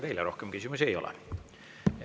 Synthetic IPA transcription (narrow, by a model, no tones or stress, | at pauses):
t̪e̞jleɾo̞hkemkysʲimus̬ejo̞̰lɛ̰